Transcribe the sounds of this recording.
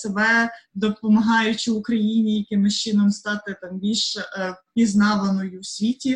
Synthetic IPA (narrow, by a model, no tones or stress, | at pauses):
sebɛd̪ɔpɔmɐɦɑjʊt͡ʃɪʊkɾɐjinʲijɐkɪmɪʃt͡ʃɪnɔmst̪ɑt̪ɪt̪ɑmbʲilʲʃpʲiznɑʋɐnɔjʊsʲʋʲitʲi